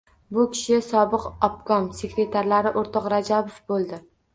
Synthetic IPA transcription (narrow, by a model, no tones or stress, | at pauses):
bʊkʲʰɪ̥ʃɪsɒbɪqɒpkɒmse̞kɾe̞t̪ʰaɾlaɾɪʔoɾt̪ʰɒqɾad͡ʒabofbolˠd̪ɪ